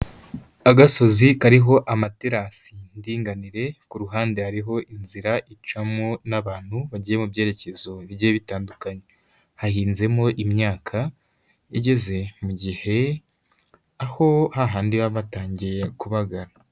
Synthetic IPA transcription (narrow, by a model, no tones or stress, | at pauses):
aɡaso̞zikaɾiɦo̞ʔamateɾasindiːŋɡaniɾe̞kuɾuɦaːnde̞haɾiɦo̞ʔinziɾaʔit͡ʃamonaβaːn̥huβaɟije̞mubje̞ːɾe̞ce̞zo̞βiieβitaːndukaɲe | hahiːnze̞mo̞ʔimɲaːkʰa | iɟe̞ze̞muɟihe̞ | aho̞haɦaːndiβaβataːɲɟije̞kuβaɡaɾa